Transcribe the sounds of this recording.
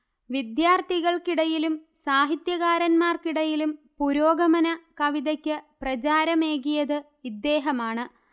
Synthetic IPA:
ʋid̪jaːrt̪iɣɐɭkiɽɐjilumsaːɦit̪jɐɣaːɾɐnmaːrkiɽɐjilumpuɾo̞ːɡɐmɐnɐkɐʋiðɐkʲːɨprɐt͡ɕaːɾɐmeːɣijɐðɨ | id̪ːe̞ːɦɐmaːɳɨ

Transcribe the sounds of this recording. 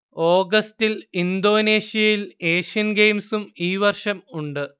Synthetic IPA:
o̞ːɡɐstilind̪o̞ːne̞ːɕijɐjile̞ːʂijɐnɡejmsumiːʋɐrʂɐmuɳɖɨ

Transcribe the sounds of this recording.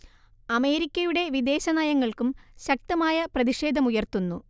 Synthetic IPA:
ɐme̞ːɾikʲːɐjuɽe̞ʋid̪e̞ːɕɐnaːjɐŋːɐɭkumɕɐk̚t̪ɐmaːjɐprɐðiʂe̞ːd̪ʱɐmujɐrt̪unːu

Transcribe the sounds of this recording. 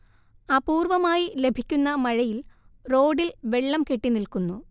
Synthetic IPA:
aːpuːrʋɐmaːjile̞bʱikʲːunːɐmɐɻɐjilro̞ːɖilʋe̞ɭːɐmke̞ʈːinilkunːu

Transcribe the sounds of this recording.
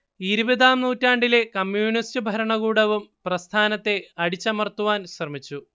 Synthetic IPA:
iɾubɐðaːmnuːtːaːɳɖile̞kɐmjuːnistɨbʱɐɾɐɳɐɣuːɽɐʋumprɐst̪ʰaːnɐt̪ːe̞ɐɽit͡ɕːɐmɐrt̪ːuʋaːnɕrɐmit͡ɕːu

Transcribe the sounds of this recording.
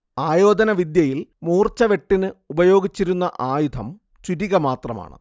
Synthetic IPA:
aːjo̞ːd̪ɐnɐʋid̪jɐjilmuːrt͡ɕɐʋe̞ʈːinɨubɐjo̞ːɡit͡ɕːiɾunːɐʔaːjud̪ʰʱɐm | t͡ɕuɾiɣɐmaːt̪rɐma̰ːɳɨ̰

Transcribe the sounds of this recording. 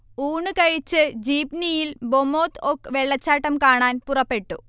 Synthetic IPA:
uːɳɨkɐɻit͡ɕːɨd͡ʑiːpnijilbomːo̞ːt̪okːɨʋe̞ɭːɐt͡ɕːaːʈːɐmkaːɳaːnpurɐpːe̞ʈːṵ

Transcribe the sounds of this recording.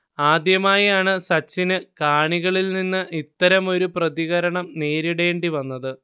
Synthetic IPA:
aːd̪jɐmaːjaːɳɨsɐt͡ɕːinɨkaːɳiɣɐɭilninːɨʔit̪ːɐɾɐmo̞ɾuprɐðiɣɐɾɐɳɐmne̞ːɾiɽe̞ːɳɖiʋɐnːɐðɨ

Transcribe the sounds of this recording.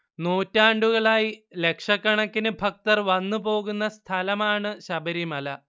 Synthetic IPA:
noːtːaːɳɖuɣɐɭaːjile̞kʂɐkːɐɳɐkːinɨbʱɐk̚t̪ɐrʋɐnːupo̞ːɣunːɐst̪ʰɐlɐmaːɳɨɕɐbɐɾimɐlɐ

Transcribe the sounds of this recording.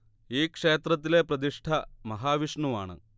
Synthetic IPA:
iːkʂe̞ːt̪rɐt̪̬ːile̞prɐd̪iʂʈʰɐmɐɦaːʋiʂɳuʋaːɳɨ̰

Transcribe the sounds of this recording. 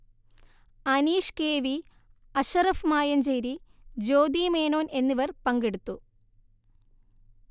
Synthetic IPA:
ɐniːʂkeːʋi | ɐɕɐrɐfmaːjɐnd͡ʑeːɾid͡ʑo̞ːd̪iːmeːnoːne̞nːiʋɐrpɐŋɡeɽut̪ːu

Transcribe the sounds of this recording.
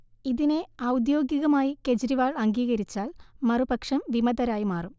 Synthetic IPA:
iðine̞ɐwd̪joːɡiɣɐmaːjike̞d͡ʑɐɾiʋaːɭɐŋɡiːɣɐɾit͡ɕːaːlmɐrubɐkʂɐmʋimɐd̪ɐɾaːjimaːrum

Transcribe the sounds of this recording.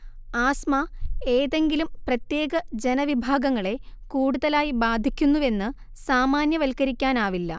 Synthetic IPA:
aːsmɐe̞ːðe̞ŋɡilumprɐt̪je̞ːɡɐd͡ʑe̞nɐʋibʱaːɡɐŋːɐɭe̞kuːɽuðɐlaːjibaːd̪ʱikʲːunːuʋe̞nːɨ | saːmaːnjɐʋɐlkɐɾikʲːaːnaːʋilːɐ̰

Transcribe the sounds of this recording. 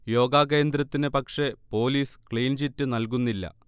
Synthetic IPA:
jo̞ːɡaːkeːnd̪ɾɐt̪ːinɨpɐkʂe̞po̞ːliːskɭijnt͡ɕitːɨnɐlk̬unːilːɐ̰

